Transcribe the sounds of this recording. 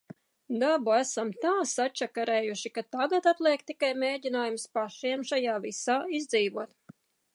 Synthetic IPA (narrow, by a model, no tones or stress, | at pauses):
d̪abuæsamt̪aːsat͡ʃːakaɾeːjuʃikat̪aɡat̪at̪lˠeːkt̪ikajmʲeːɟʲinaːjumspaʃiɛmʃajaːvisaːizd̪ziːvuɔt̪